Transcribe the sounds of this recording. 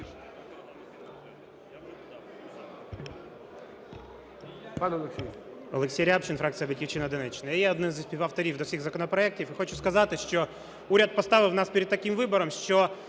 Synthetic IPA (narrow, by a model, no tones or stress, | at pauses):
pɑnɔlˠksʲi | ɔ̰lˠeksʲijɾʲapt͡ʃɪnfɾakt̪t͡s̪ijɐbɐtʲkʲiwt͡ʃɪnɐɔd̪ɪnɛt͡ʃːɪnɐjjɛɔd̪nɪmzsʲpʲiʋɐft̪ɔɾʲiwd̪ɔwsʲiɣzɐkɔnɔpɾɔɛk̚tʲifɪxɔt͡ʃʊskɐzɑt̪ɪʃt͡ʃɔ | uɾʲɐd̪̚pɔst̪ɑʋɪwnɑspʲiɾʲɪd̪̚t̪ɐkimʋɪbɔɾɔmʃt͡ʃɔ